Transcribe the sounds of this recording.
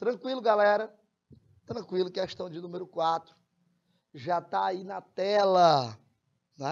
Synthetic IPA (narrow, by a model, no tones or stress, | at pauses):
t̪ɾɐ̃kwilʊɡalɛɾɐ | t̪ɾɐ̃kwilʊkeʃt̪ɐ̃w̃d͡ʒɪnũmeɾʊkwat̪ɾʊ̥ | ʒat̪aːinɐt̪ɛlɐ | nɛ